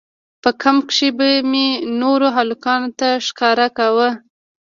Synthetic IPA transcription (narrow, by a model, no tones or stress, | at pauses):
pəkamkʂebəmenoɾoɦalukɑnot̪aʃkɑɾakawə